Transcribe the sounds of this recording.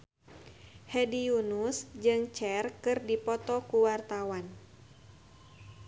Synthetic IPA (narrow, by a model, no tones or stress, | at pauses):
hɛdijunusd͡ʒɨŋt͡ʃɛrkɨrdipɔt̪ɔkuwart̪awan